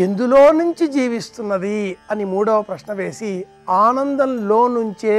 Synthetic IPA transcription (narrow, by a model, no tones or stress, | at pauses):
end̪uloːnuɲt͡ʃid͡ʒiːʋist̪unːɐd̪iɐnimuːɽɐʋɐpɾɐʂnɐʋe̞ːsi | aːnɐnd̪ɐnlo̞ːnuɲt͡ʃeː